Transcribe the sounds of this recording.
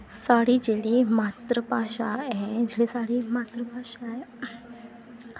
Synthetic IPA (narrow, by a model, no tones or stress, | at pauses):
saɽid͡ʑelimat̪ɾəpaɕaed͡ʒelisaɽimat̪ɾəpaɕae